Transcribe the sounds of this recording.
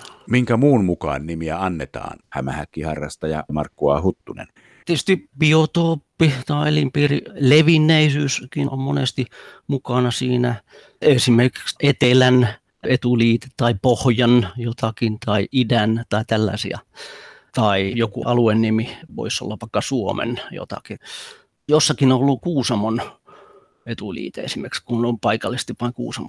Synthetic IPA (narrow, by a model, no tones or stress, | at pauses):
miŋkæmuːnmukɑ̰ːnnimiæɑnːet̪ɑ̰ːnhæmæhækːihɑrːɑst̪ɑjɑ̰mɑrkːuɑ̰hut̪ːunḛn | t̪iest̪ib̥iot̪oːpːit̪ɑielimpiːrileʋinːeisyːskio̰mmonḛst̪imukɑnɑsiːnæ | esimerki̥ksʔet̪elæn | et̪uliːt̪e̥t̪tɑipohjɑnjot̪ʰɑkint̪ɑiidænt̪ɑit̪ælːɑ̰sḭɑ̰ | t̪ɑijokuʔɑluenːimiʋo̰iso̰lːɑʋʋɑˑikːɑsuomḛnjo̰t̪ɑ̰ki | josːɑkinõolːukuːsɑmon | et̪ulḭːt̪eḛsimerkskunompɑikɑlːist̪iʋʋɑiŋkṵːsɑm